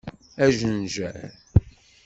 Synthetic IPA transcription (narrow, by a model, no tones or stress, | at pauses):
æʒənʒæ̰ɾ